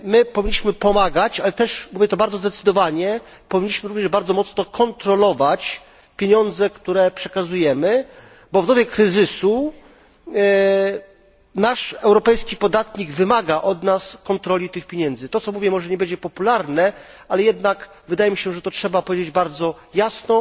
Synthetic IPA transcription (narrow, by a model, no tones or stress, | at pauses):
mɘpɔvʲiɲːiɕmɘpɔmaɡat͡ɕalɛt̪ɛʂmuvʲjɛt̪ɔbaɾd̪zɔzd̪ɛt̪sɘd̪ɔvaɲɛpɔvʲiɲːiɕmɘɾuvɲɛʐbaɾd̪zɔmɔt̪snɔkɔnt̪ɾɔlɔvat͡ɕ | pʲjeɲɔnd̪zɛkt̪uɾɛpʂɛkazujɛmɘ | bɔvd̪ɔbʲjɛkɾɘzɘsu | naʂɛwɾɔpɛjskʲipɔd̪at̪ɲiɡvɘmaɡaʔɔd̪naskɔnt̪ɾɔlʲit̪ɘxpʲjeɲɛnd̪zɘt̪ɔt̪sɔmuvʲjɛmɔʐɛɲɛbɛɲd͡ʑɛpɔpulaɾnɛalɛjɛd̪nak | vɘd̪ajɛmʲiɕɛʐɛt̪ɔtʂɛbapɔvʲjed͡ʑed͡ʑbaɾd̪zɔjasnɔ